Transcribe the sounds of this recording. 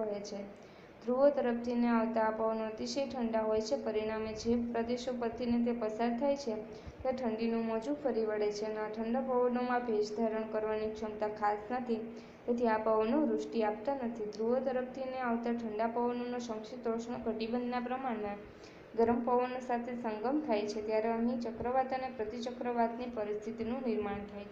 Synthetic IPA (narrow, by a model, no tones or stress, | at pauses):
ɦet͡ʃʰe | d̪̥ɾuʋot̪əɾəpt̪ʰineaʋt̪aːpəʋnoət̪iʃəjʈʰəɳɖaɦojt͡ʃʰepəɾiɽ̃amed͡ʒepɾəd̪eʃopət̪ʰːinet̪̬epəsaɾt̪ʰajt͡ʃʰe | t̪aʈʰəɳɖinumɔd͡ʒufʰəɾiʋəɭet͡ʃʰenaʈʰəɳɖapəʋənomãbʱed͡ʒd̪ʱaɾəɳkəɾʋanikt͡ʃʰəmt̪akʰasnət̪ʰi | t̪et̪ʰiapəʋənoɾʊʂʈiap̚t̪anət̪ʰid̪ɾuɦət̪əɾəpt̪ʰineaʋt̪aʈʰəɳɖapəʋənonoʃə̃ŋkʃit̪oʃɳokəʈibənd̪napɾəmaɽe | ɡəɾəmpəʋənosat̪ʰesəŋɡəmt̪ʰajt͡ʃʰet̪jaɾeəɦĩt͡ʃəkɾəʋat̪ənepɾət̪it͡ʃəkɾəʋat̪nipəɾist̪ʰit̪inũnɪɾmaɳt̪ʰajt͡ʃʰe